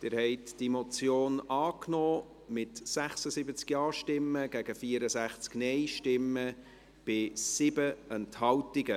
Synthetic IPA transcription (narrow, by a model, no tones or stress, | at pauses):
d̥̪ɪːɾhɛɪtd̥imot͡sjoːnɑːknɔː | mɪtsæχsəsibət͡skjɑːʃtɪmːəɡ̥æɡ̥əfiəɾəsæχt͡sknɛɪʃtɪmːə | b̥ɪsɪbəɛnthɑwtɪɡə